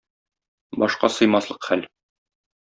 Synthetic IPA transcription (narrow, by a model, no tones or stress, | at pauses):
bɒʃqɑ̰sɤ̆jmɑslˠɤqχæl